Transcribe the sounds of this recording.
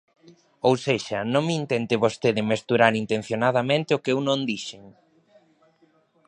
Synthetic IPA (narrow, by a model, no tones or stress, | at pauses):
owseʃɐnõŋmɪint̪ent̪ɪβost̪eðɪmest̪uɾaɾint̪ẽn̟θjonað̞ɐmẽnt̪ɪʊkeewnõŋd̪iʃeŋ